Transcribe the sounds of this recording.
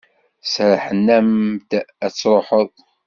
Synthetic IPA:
sɾəħənːæmd̪æt͡sːɾˤoħəðˤ

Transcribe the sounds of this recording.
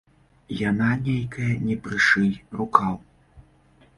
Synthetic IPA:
jananʲejkʰɐjɐnʲɛpɾɨʂɨjrukaw

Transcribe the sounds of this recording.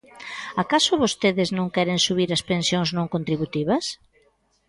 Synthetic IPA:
akasʊβost̪eðɪznõŋkɛɾensuβ̞iɾɐspẽnsjoŋznõŋkont̪ɾiβut̪iβɐs

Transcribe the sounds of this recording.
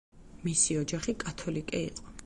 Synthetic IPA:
misiɔd͡ʒaχikʼat̪ʰɔlikʼḭːqʼɔ

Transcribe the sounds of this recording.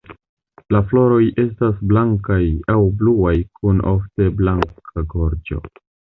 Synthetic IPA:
laflo̞ɾo̞je̞stasblaŋkajawbluajkunʔo̞̰fte̞blaŋkʰaɡo̞ɾd͡ʒo̞̰

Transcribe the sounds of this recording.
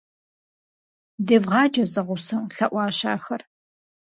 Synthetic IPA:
dɐvʁɑːd͡ʒɐzɐʁʷʊsɐmɬɐʔʷɑːɕa̰ːxɐr

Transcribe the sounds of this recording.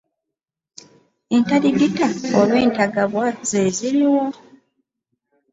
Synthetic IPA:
e̞ntaɾiɡitaolwe̞ːntaɡaβwaz̥eːziɾiwo

